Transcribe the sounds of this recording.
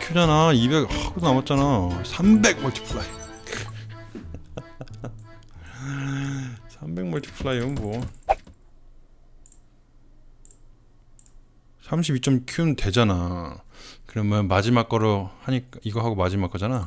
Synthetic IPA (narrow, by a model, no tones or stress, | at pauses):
kʰud͡ʑanaibe̞khaɡodonamʌt̚t͡ɕ͈anasʰambe̞ɡ̚mʌɭtʰi̥pʰɯɭai | sʰambe̞k̚mʌɭtʰi̥pʰɯɭaiɯnmwʌ | sʰamɕ̬ʰibit͡ɕ͈ʌmkʰjunte̞d͡ʑana | kɯɾʌmjʌnmad͡ʑimak͈ʌɾohaɲik͈aiɡʌɦaɡomad͡ʑimak͈ʌd͡ʑana